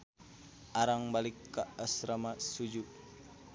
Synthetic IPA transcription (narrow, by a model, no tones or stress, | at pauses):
ʔaɾaŋbalikːaːsɾamasud͡ʒuk̚